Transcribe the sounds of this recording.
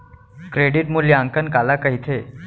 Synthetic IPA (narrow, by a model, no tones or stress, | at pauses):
kɾeɖiʈmuljaŋkənkalakəɦit̪ʰe